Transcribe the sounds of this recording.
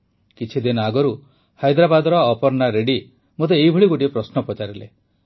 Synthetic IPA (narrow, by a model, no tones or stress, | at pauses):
kit͡ʃʰid̪inaɡɔɾu | hajd̪ɾabad̪ɔɾɔːpɔɾnaɾeɖi | mot̪̬eːibʱuɭiɡoʈiepɾɔsnɔpɔt͡ʃaɾilḛ